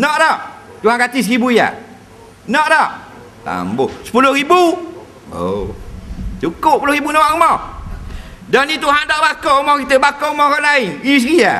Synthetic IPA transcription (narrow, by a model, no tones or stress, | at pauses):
nɔʔdɔʔ | t̪uɦankat̪ɪs̬ɾibuija̰ | nɔʔdɔʔ | t̪a̰mbosə̥pulohɾibu | o̰ | t͡ʃukʊp̚pulohɾibunawaʔumɔ | dɔnit̪uɦandɔʔbakoumɔkit̪əbakoumɔkɔnlaɪnis̬ɡia̰